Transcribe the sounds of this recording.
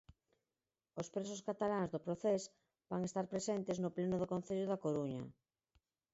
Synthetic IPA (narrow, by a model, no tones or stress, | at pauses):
ospɾes̬oskat̪alaŋzðopɾoθes | baŋest̪aɾpɾesent̪ɪznoplenʊðokõn̟θeʎʊðakoɾuɲɐ̰